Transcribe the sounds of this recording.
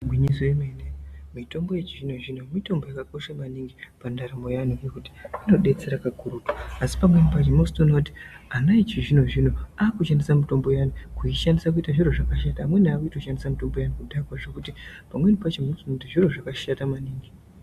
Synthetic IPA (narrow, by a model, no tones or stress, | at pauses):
ɡwiɲisoemenenimito̞mbo̞je̞t͡ʃiʐino̞ʐino̞mito̞mbo̞jakako̞ʃamaniŋɡipandaɾamo̞januekuti̥ano̞ɗe̞t͡se̞ɾakakuɾutwaasi̥pamwe̞nipat͡ʃemostono̞ti̥ | anait͡ʃiʐino̞ʐino̞aːkuʃandisamito̞mbo̞janukuiʃandisak̬uitaʐiɾo̞ʐakaʃataːmwe̞nakuitoʃandisamito̞mbojanukudakwaʐe̞kutipamwe̞nipat͡ʃemostunotiʐiro̞ʐakaʃatamaniːŋɡi